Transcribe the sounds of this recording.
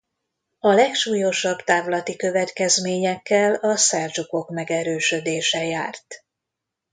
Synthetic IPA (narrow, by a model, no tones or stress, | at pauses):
ɒlɛkʃuːjo̞ʃɒbt̪aːvlɒt̪ikø̞vɛt̪kɛzmeːɲɛkːɛlɒsɛrd͡ʒuko̞kmɛɡɛɾøːʃø̞d̪eːʃɛjaːrt̪